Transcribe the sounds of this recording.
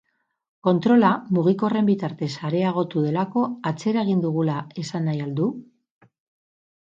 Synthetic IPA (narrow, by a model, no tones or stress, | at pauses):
ko̞nt̪ɾo̞lamuɣ̞iko̞re̞mbit̪aɾt̪e̞saɾe̞aɣ̞o̞t̪uðe̞lako̞at͡se̞ɾae̞ɣind̪uɣ̞ulae̞sanːajald̪u